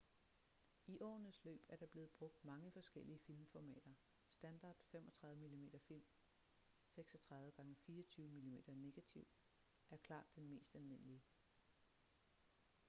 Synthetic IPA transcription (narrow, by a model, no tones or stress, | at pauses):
iʔɒ̰ːnəslø̰ːb̥æɐɾ̥ɑ̈b̥le̝ːð̞̩ˠb̥ʁɔ̽ɡ̥̚d̥mɑ̈ŋəfɒ̽sɡ̥el̰iəfilmfɒmɛ̰ːd̥ɐ | sd̥ænd̥ɑ̈d̥fem̰ɒ̽t͡sʰʁɑ̈ðˠʋˠəmilime̝̰ːd̥ɐfil̰m | seɡ̥sɒ̽t͡sʰʁɑ̈ðˠðˠəɡ̥ɑ̈ŋəfiːɒt͡sʰyːʊəmilime̝̰ːd̥ɐne̝ɡ̥æt͡sʰiʊ̰ | ʔæɐkʰlɑ̰̈ːd̥ːenme̝̰ːsd̥ælʋe̝n̰əliə